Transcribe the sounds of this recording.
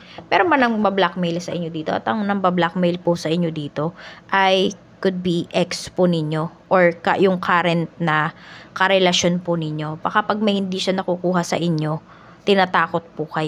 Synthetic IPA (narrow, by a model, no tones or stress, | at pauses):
mɛɾonbɐnɐŋbɐblak̚mejlsɐʔɪɲɲo̞d̪iːt̪oʔɐ̰t̪ɐŋnɐŋbɐblak̚mejlpʊsɐʔɪɲːo̞d̪iːt̪o̞ʔɐj | kʊd̪̚biʔɛkspʊnɪɲːo̞ʔoɹkɐ̰jʊŋkʰaɾɛnt̪̚nɐkɐɾɛlɐʃo̞npʊnɪɲjo̞bɐkapɐɡ̚mɐjhɪnd̪iʃanɐkukuːɦɐsɐ̰ʔɪɲjo̞ | t̪ɪnaːt̪aːko̞t̪̚pʊkɐj